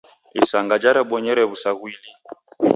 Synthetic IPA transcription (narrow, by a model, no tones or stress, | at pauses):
ḭsaŋɡad͡ʒaɾɛɓɔɲɛɾɛβusaɣwili